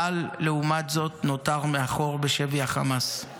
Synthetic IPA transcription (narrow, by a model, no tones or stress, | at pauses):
alːe̞umatzo̞tno̞taʁmeaχo̞ʁbeʃeviaχamas